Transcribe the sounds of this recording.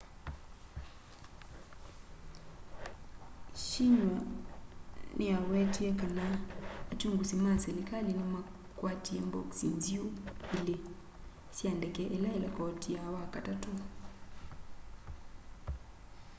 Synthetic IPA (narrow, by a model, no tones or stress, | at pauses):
ʃiɲwa | nʔiawɛtiɛkanaːt͡ʃuŋɡusimasɛɾikalinama | kwatiɛmbɔksinziuile | siandɛkɛʔɛlaɛlakɔtiawakatatu